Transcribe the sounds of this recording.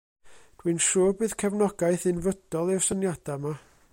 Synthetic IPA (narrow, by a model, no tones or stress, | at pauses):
d̥winʃuːbɨːð̥kʰɛvnɔɡaɨθɨnvəd̥ɔlˠɪwsənjad̥ama